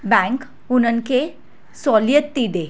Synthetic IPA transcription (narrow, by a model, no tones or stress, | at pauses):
bɛ̃ŋk | unənkʰe | sɔljət̪ːiɖ̪e